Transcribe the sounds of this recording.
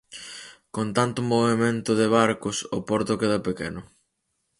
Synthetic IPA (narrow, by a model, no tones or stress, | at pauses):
kont̪ant̪ʊmoβemẽnt̪ʊðɪβaɾkʊsʊpɔɾt̪ʊkeðɐpekḛnʊ